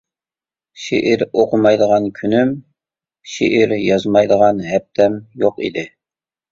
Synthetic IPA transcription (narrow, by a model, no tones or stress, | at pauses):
ʃḛʔiɾoqʊmɑjd̪əʁɑnkʲʰynym | ʃḛʔiɾjɑzmɑjd̪əʁɑnɦɛp̚t̪ʰɛmjoqḭd̪ɪ